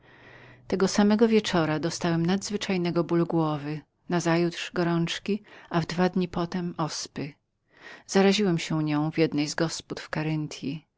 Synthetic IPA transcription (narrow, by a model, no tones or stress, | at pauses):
t̪ɛɡɔsamɛɡɔvʲjɛt͡ʂɔɾad̪ɔst̪awɛmnad̪zvɘt͡ʂajnɛɡɔbuluɡwɔvɘ | nazajut̪ʂɡɔɾɔnt͡ʂkʲiavd̪vad̪ɲipɔt̪ɛmɔspɘ | z̥aɾaʑiwɛmɕɛɲɔ̃w̃vʲjɛd̪nɛjzɡɔsput̪fkaɾɪnt̪ʰji